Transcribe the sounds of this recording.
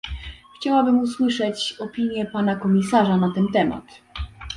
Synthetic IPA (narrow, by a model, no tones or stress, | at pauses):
xt͡ɕawabɘmuswɘʂɛt͡ɕɔpʲiɲjɛpanakɔmʲisaʐanat̪ɛnt̪ɛma̰t̪